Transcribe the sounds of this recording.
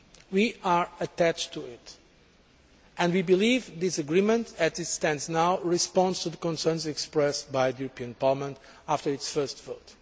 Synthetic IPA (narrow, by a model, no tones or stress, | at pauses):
wiʔaɹɨtæt͡ʃtʰuɪt | ʔɨ̃ndwibilivðɪsɨɡɹĩmə̃ntʰɨtɨtstɛ̃ndznaʊɹɨspɑ̃nstuðəkɔ̃nsɜ̃˞nzɛkspɹɛsbaɪðəjuɹəpʰiɨ̃npʰɑɹləmə̃nt | aftə˞ɨtsfɜ˞stv̥oʊt